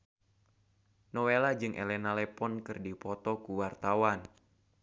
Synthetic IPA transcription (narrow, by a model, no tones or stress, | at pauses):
nɔwelad͡ʒɨŋʔɛ̰lɛnalɛpɔnkɨrdipɔt̪ɔkuwart̪awan